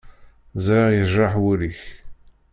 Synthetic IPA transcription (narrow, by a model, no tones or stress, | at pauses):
zɾɑʁjəʒɾɑħwʊɾiç